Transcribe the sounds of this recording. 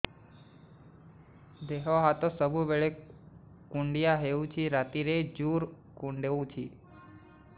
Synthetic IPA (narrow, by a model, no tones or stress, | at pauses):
d̪eɦoɦat̪osəbʱubeɭe | kuɳɖijaɦeũt͡ʃʰiɾat̪iɾed͡ʒuːɾ | kuɳɖeũt͡ʃʰi